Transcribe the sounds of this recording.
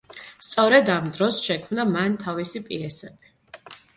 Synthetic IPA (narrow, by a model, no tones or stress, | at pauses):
st̪sʼɔɾɛd̪amd̪ɾɔsʃɛkʰmnamant̪ʰavisipʼiɛsɛbi